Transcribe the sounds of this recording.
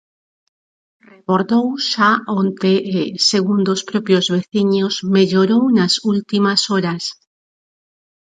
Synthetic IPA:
rekoɾðowʃaʔont̪eʔːseɣund̪ospɾɔpjozβeθiɲozmeʎoɾownasult̪imasoɾas

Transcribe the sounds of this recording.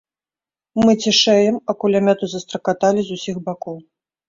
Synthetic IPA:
mɨt͡sʲiʂɛjɛmɐkulʲamʲɛt̪uzɐst̪ɾɐkat̪alʲizusʲixbakɔw

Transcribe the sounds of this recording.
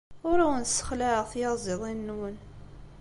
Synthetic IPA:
ʊɾawənsːə̥χlæʁθjɑˤzeðˤinːwən

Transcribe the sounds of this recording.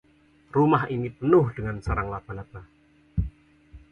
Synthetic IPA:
rumahinipənʊhd̥əŋansaɾaŋlapalat̪a

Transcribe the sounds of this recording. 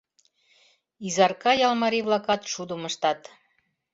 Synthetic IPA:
izɑrkɑjɑlmɑɾiβlɑkɑt̪ʃud̪əməʃt̪ɑt̪

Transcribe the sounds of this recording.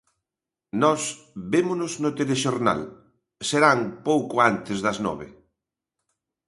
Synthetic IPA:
nɔs | bemʊnʊznot̪eleʃoɾna̰l | seɾaŋpowkʊant̪ɪzðɐznɔ̰βɪ̰

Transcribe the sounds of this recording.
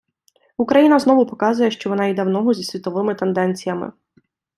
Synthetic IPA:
ukɾɐjinɐznɔʋʊpɔkɑzʊjɛʃt͡ʃɔʋɔnɑjid̪ɛwnɔɦɔzʲisʲʋʲit̪ɔʋɪmɪt̪end̪ɛnʲt͡sʲijɐmɪ̰

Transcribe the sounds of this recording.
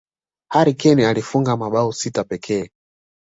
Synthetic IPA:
haɾikɛnialifuŋɡamaɓausitapɛkʰɛː

